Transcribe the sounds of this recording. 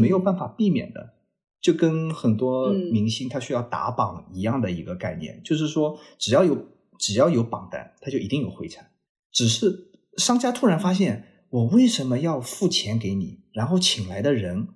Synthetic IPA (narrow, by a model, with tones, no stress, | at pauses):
me˧˥ɪjo˨˩ʊpa˥˩nfa˨˩pi˥˩mjɛ̰˨˩nd̪ə̰˦ | t͡ɕjo˥˩ʊkə˥nxə˨˩nt̪wɔ˥mi˧˥ŋɕi˥ŋt̪ʰa˥ɕy˥jɑ˥˩ʊt̪a̰˧˥pɑ˨˩ŋi˧˥jɑ˥˩ŋd̪ə˩i˧˥ɡə˧ka˥˧ɪnjɛ̰˥˩nt͡ɕjo˥˧ʊʂ̬ɻ̩˥˩ʂwɔ˥ʈ͡ʂɻ̩˨˩jɑ˥˩ʊjo˧˥ʊ | ʈ͡ʂɻ̩˨˩jɑ˥˩ʊjo˧˥ʊpɑ˨˩ŋt̪a̰˥˩nt̪ʰa˥t͡ɕjo˥˩ʊi˧˥t̪i˥˩ŋjo˨˩ʊxwe˥˩ɪʈ͡ʂʰa˧˥n | ʈ͡ʂɻ̩˨˩ʂɻ̩˥˩ | ʂɑ˥ŋt͡ɕja˥t̪ʰu˥˩ɻa˧˥nfa˥ɕ̬jɛ˥˩n | wɔ˨˩we˥˩ɪʂə˧˥nmə˧jɑ˥˧ʊfu˥˩t͡ɕʰjɛ˧˥nke˧˥ɪni˨˩ɻa˧˥nxo˥˩ʊt͡ɕʰi˨˩ŋla˧˥ɪd̪ə˧ɻə˧˥n